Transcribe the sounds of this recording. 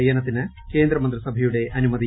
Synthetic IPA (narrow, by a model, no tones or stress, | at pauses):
jɐnɐt̪ːinɨ | ke̞ːnd̪ɾɐmɐnt̪ɾɐsɐbʱɐjuɽe̞ʔɐnumɐd̪i